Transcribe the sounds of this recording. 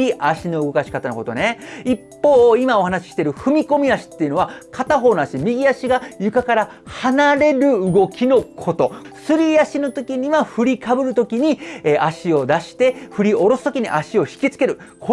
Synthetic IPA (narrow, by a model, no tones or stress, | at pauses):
iʔaɕino̞ɯɡo̞kaɕi̥kat̪ano̞ko̞t̪o̞ne̞ipːo̞ːimao̞hanaɕi̥ɕi̥t̪e̞ɾɯ̟ɸɯ̟mʲiko̞mʲiaɕi̥t̪ːe̞iɯ̟no̞βakʰat̪aɦo̞ːnoaɕimʲiɡʲiaɕiɡajɯ̟kakaɾa | hanaɾe̞ɾɯ̟ːɡo̞kʲino̞kʰo̞t̪o̞sɨɾʲiaɕino̞t̪o̞kʲiɲ̟iβaɸɯɾʲikabɯ̟ɾɯ̟t̪o̞kʲiɲ̟ieʔaɕio̞d̪aɕi̥t̪e̞ɸɯ̟ɾʲio̞ɾo̞sɨ̥t̪okʲiɲ̟ḭʔaɕio̞çi̥kʲit͡sɨ̥ke̞ɾɯ̟ | kʰo